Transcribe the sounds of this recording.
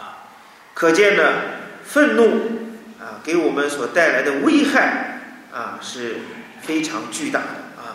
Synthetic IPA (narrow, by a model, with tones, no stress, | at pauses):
kʰɤ˨˩t͡ɕjɛ˥˩nlə˩fə˥˧nnu˥˩ɐ˧ke˧˥ɪwɔ˨˩mə˦nswɔ˨˩t̪a˥˩ɪla˧˥ɪd̪ə˧we˥ɪxa˥˩ɪ | ɐ˧ʂɻ̩˥˩ | fe˥ɪʈ͡ʂʰɑ˧˥ŋt͡ɕy˥˧t̪a̰˥˩d̪ə˩a˧˩